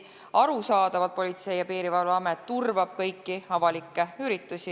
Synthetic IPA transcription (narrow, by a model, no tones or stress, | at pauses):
ɑɾusɑːd̪̥ɑvɑd̪̚po̞lʲit̪se̞jɑpiːɾivɑluɑmet̪ːurvɑb̥kɤjkːˑiɑvɑlikːˑeyɾit̪ːˑusi